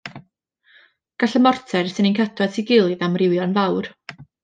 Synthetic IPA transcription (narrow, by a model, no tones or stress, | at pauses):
ɡ̥aɬəmɔrtʰɛrsɨninkʰatʰwadsʰiɡɪlˠiðamrɪwjɔnvawr